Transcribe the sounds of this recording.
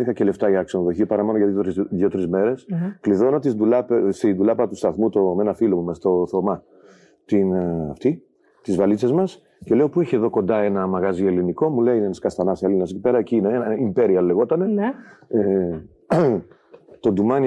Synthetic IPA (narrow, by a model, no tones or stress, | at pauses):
ixɐce̞le̞ft̪ɐʝɐːksonoðo̞çiɐpɐɾɐmonoʝɐðɾðjio̞t̪ɾizme̞ɾe̞skliðo̞not̪id̪ulɐpst̪ind̪ulɐpɐt̪ust̪ɐθmut̪omenɐfilomumɐst̪o̞θomɐ | t̪inɐ̰ft̪i | t̪izvɐlit͡sɐzmɐs | ce̞le̞o̞pue̞çieðo̞ko̞nd̪ɐe̞nɐmɐɣɐzie̞liniko̞muleiinenɐskɐst̪ɐnɐselinɐsekcipe̞ɾɐeciːnenɐimpe̞ɾiɐlːe̞ɣo̞t̪ɐnee | t̪o̞nd̪umɐn